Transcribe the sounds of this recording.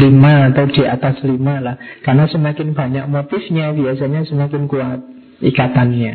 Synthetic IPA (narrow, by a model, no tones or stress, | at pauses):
limaːt̪awd̥i̤ʔat̪aslimalahkarnasəmakɪnb̥a̤ɲak̚mot̪ɪfɲab̥iasaɲasəmakɪnkuat̪̚ | ʔikat̪anɲa